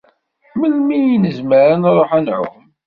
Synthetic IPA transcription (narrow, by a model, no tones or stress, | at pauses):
məlmijnəzməɾənɾˤoħænʕʊ̰m